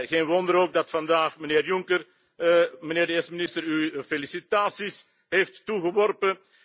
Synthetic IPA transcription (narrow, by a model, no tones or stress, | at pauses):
ɣeːnʋɔndəɾoːɡ̚dɑtfɑndaːxməneːrjuŋkər | məneːrdəeːsəminɪstəɾyfelisitaːsis | ɦeftːuɣəʋɔrpə